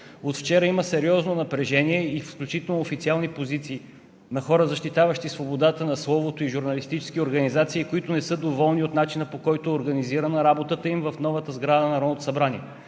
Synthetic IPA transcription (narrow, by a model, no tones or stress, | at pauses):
ot̪ft͡ʃɛɾəiməsɛɾiɔznonɐpɾɛʒɛniɛifsklʲut͡ʃit̪ɛlˠnoofit̪sialˠnipozit̪siː | nɐxɔɾəzɐʃt̪it̪avəʃt̪isvobod̪at̪ənɐslˠɔvot̪oiʒuɾnɐlist̪it͡ʃɛ̥sk̟ioɾɡɐnizat̪siːkoit̪ʊnɛsɤd̪ovɔlˠniot̪nat͡ʃinəpokɔjt̪ʊːɾɡɐniziɾɐnɐɾabot̪ət̪əimvəfnɔvət̪əzɡɾad̪ənɐɾɔnot̪o̥sɐbɾaniɛ